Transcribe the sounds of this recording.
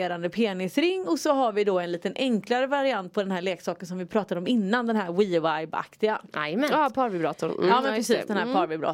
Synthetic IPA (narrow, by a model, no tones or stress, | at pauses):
eːɾand̪əpʰeːnɪsɾɪŋːɔsɔɦaɾvɪd̪ɔɛnliːt̪ənʔɛŋklaɾəvaɾɪant̪̚pʰɔd̪ɛnɦæːɾɭeːksɑːkənsɔmvɪpʰɾɑːt̪ad̪ɔmɪnːand̪ɛnɦæɾwivajba̰kt̪ɪɡaamɛpʰɑːɾvɪbɾɑːt̪ʊ̰nɑːmɛnpɾɛsiːsd̪ɛnhæɾpʰɑːɾvɪbɾɔ̰ː